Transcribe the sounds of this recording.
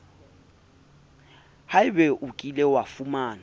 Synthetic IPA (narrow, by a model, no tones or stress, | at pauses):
haɪbɛʔukʼilɛwafumaːna